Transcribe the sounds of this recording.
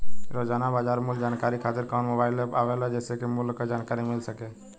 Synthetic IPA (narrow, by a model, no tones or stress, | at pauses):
ɾoːd͡ʒaːnabaːd͡ʒaːɾmuld͡ʒaːnkaːɾikʰaːt̪ɪɾkɔːnmobaːɪlepaʋelad͡ʒɛːsekimulkad͡ʒaːnkaːɾimɪlsəke